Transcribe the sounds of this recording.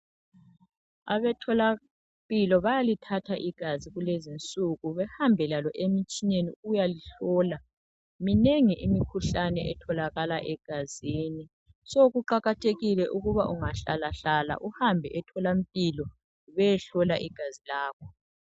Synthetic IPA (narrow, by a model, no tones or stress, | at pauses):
a̰βɛtʰɔla | mpʼilɔβajalitʰatʰaʔiɡ̥ʱaziɣulezint͡sʼuɣuβɛhambʱɛlalɔʔemit͡ʃʼineniujaliɬɔːla | mineŋiʔimikʰuɬanɛʔɛ̰tʰɔlaɣalaʔɛɡ̥ʱaziːni | soɣuǃaɣatʰeɣilɛʔuɣuβaʔuŋaɬalaɬala̰ʔuhambʱɛʔɛtʰɔlam̩pʼilɔ | βɛjɛɬɔlaʔiɡ̥ʱazilaːkʰɔ